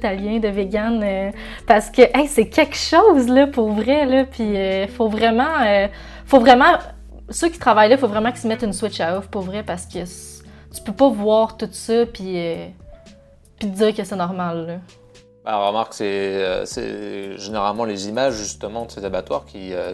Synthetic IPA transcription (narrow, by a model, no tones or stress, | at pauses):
t̪aljɛ̃d̪əveɡʲanø | paʁsə̥kʲəʔɛsɛkʲʰɛkʃoʊzlʌpuʁvʁɛlʌpʰiøfovʁɛmɑ̃ø | fovʁɛmɑ̃ | søkʲi̥t̪χavajlʌfovʁɛmɑ̃kə̥smɛt̪ynswɪt͡ʃaɔfpuʁvʁɛpaʁsə̥kʰʲəst̪y̥pøpʌvwɑːʁt̪ut̪sɔpʰiø | pid͡ziːʁkəsɛnɔʁmalːə | bɛ̰ʁəmaʁksɛø̰sɛ̰ʒeneʁalmɑ̃lezimaʒʒyst̪əmɑ̃d̪əsezabat̪wa̰ːʁkʲiø